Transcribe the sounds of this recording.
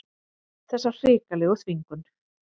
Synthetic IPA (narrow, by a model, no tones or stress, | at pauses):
θɛsːar̥ɪːkalɪɣɔθviŋkʏn